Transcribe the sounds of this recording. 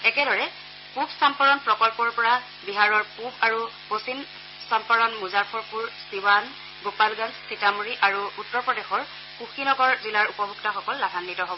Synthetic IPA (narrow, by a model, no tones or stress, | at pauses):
ɛkɛɾɔɹɛ | pubsampaɹɔnpɹɔkɔlpɔɹpɔɹa | biɦaɹɔɹpubaɹuposin | sampaɹɔnmuzaɹpʰɔɹpuɹsiwan | ɡopalɡanzsitamuɹiʔaɹuutːɔɹpɹɔdexɔɹ | kuxinɔɡɔɹzilaɹupɔbʱuktaxɔkɔlːabʱanːitɔɦobɔɔ